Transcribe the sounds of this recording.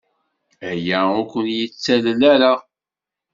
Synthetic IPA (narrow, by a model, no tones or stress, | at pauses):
æjæʊkʷənjət͡sːællæɾa